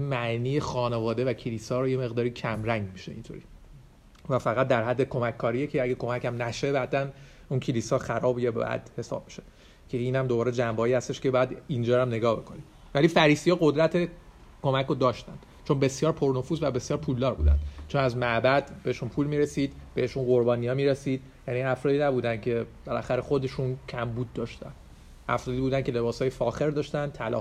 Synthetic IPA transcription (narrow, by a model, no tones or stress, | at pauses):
imæʔniːjexɒːnevɒːd̪e̞væcʰeliːsɒːɾoje̞me̞ɣd̪ɒːɾicʰæmɾæŋɟmiʃḛḭnt̪ʰo̰ɾiː | væfæɣæt̪̚d̪æɾɦæd̪ːe̞kʰo̞mækʰːɒːɾijecʰeæɡekʰo̞mæcʰæmnæʃebæd̪æn | uncʰeliːsɒːxæɾɒːbjebɒ̰jæ̰d̪̥he̞sɒ̰ːb̥̚miʃe | cʰeiːnæmd̪obɒːɾed͡ʒæmbɒːiːhæst̪eʃcebɒjæd̪ind͡ʒɒːɾæmne̞ɡɒːhbe̞kʰo̞nid̥̪ | vælifæɾiːsijɒːɣo̞d̪ɾæt̪ʰe | kʰo̞mækʰod̪ɒːʃt̪ænd̪̥ | t͡ʃʰo̞nbe̞sjɒːɾpʰo̞ɾno̞fuːzvæbe̞sjɒːɾpʰuld̪ɒːɾbṵːd̪æ̰nd̪̥t͡ʃʰo̞næzmæʔbæd̪beeʃunpʰuːlmiɾesiːd̪b̥eheʃunɢo̞ɾbɒːnijɒːmiːɾesiːd̪̚ | jæniæfɾɒːd̪iːnæbuːd̪ænd̪cʰe̞belæxæɾexo̞d̪e̞ʃuncʰæmbuːd̪̚ːɒːʃt̪æ̰n | æ̰fɾɒːd̪iːbuːd̪æncʰe̞le̞bɒːshɒːjefɒːxe̞ɾd̪ɒːʃt̪ænt̪ʰælɒ̰ː